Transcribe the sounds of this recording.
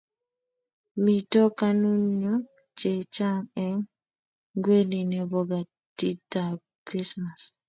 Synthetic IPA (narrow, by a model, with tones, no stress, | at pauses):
mi˨tɔ˦ka˦nu˦ɲɔ˦ | t͡ʃe˨t͡ʃa˦ŋɛ˦ŋ | ɡwe˦li˨nɛ˨bɔ˨ɡa˨ | ti˦ta˨ | kɾi˦sma˨s